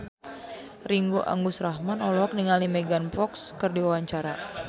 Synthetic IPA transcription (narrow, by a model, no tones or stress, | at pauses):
riŋɡoʔa̰ŋɡʊsraɦmanɔlɔɦɔk̚niŋalimɛɡanpɔkskɨrdiwawaɲt͡ʃaɾa